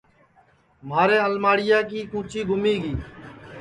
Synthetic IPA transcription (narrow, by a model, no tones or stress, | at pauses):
maːɾẽːəlmaːɽɪjaːkiːkũːt͡ʃiːɡʱʊmiːɡiː